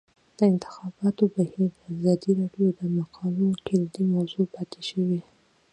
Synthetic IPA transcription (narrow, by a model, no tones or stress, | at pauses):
d̪̥əɪnt̪ɪ̥xɑbɑt̪obahiɾd̪əazɑd̪iɾɑɖjod̪əmaqʰɑlukɪld̪imawzopɑt̪eʃəwi